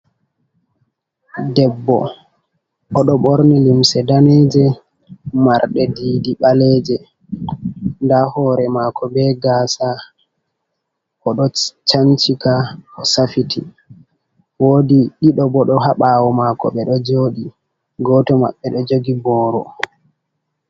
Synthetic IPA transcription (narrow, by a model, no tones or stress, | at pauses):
dɛbːɔ̰ | ɔɗɔɓoɾnilimsɛdanɛd͡ʒɛ | maɾɗɛdiːdiɓalɛd͡ʒɛ | ndahɔɾɛmakɔbɛɡaːsa | kɔɗɔt͡ʃant͡ʃikaɔsafitʰḭ | woːdiɗiɗɔbɔɗɔɦaɓaːwɔmakɔ̰ɓɛɗɔd͡ʒoːɗi | ɡɔtɔma̰ɓːɛɗɔd͡ʒoɡibɔːɾɔ